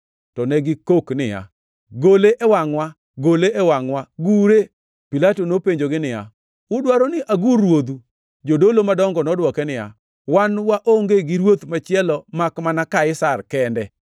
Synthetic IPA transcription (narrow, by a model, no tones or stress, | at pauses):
tɔnɛɡɪkoknɪja̰ | ɡoleʔɛwaŋwa | ɡoleʔɛwaŋwaɡuɾe | pilatonopeɲd͡ʒoɡɪnɪja̰ | ʊdwaɾɔnɪʔaɡurwod̪u | d͡ʒodolomadɔŋɡɔnɔdwɔkɛnɪja̰ | wanwaʔoŋɡeɡɪɾwot̪mat͡ʃɪɛlɔmakmanakaɪsarkɛndɛ